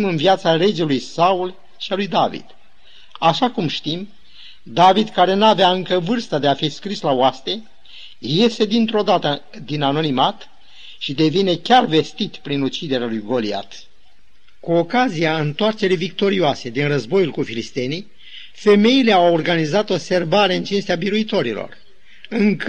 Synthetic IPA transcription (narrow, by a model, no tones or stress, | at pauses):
imɨnviat̪saɾe̞d͡ʒelujsaul | ʃialujd̪avḭd̪̥ | aʃakumʃt̪im | d̪avid̪kaɾe̞navjaɨŋkəvɨrst̪əd̪e̞afiskɾislaoast̪e̞ | je̞st̪e̞d̪int̪ɾo̞d̪at̪ə | d̪inano̞nimat̪ | ʃid̪e̞vine̞kʲarve̞st̪it̪pɾinut͡ʃid̪e̞ɾealujɡo̞lia̰t̪ | kuokaziaɨnt̪oart͡ʃe̞ɾijvik̚t̪o̞ɾioase̞d̪inrəzbo̞julkufilist̪e̞ni | fe̞me̞ile̞aworɡanizat̪o̞bse̞rbaɾe̞ɨnt͡ʃinst̪eabiɾuit̪o̞ɾilo̰r | ɨŋk